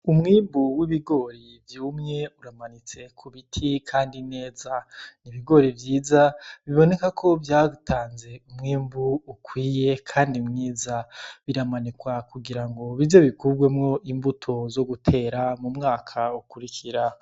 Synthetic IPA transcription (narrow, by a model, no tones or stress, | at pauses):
umŋiːmbuwiβiɡo̞ːɾi | vjuːmŋe̞uɾamanit͡se̞kʰuβitʰikʰaːndine̞ːzaniβiɡo̞ːɾivjiːzaβiβo̞ne̞kakʰo̞vjaːutʰaːnze̞umŋiːmbuːkwiːje̞kʰaːndiumŋiːzaβiɾamanikwakuɡiɾaŋɡo̞βizoβikuɡwe̞mŋo̞ʔimbutʰo̞zo̞ɡutʰe̞ːɾamumŋaːkʰaukuɾikʰiɾa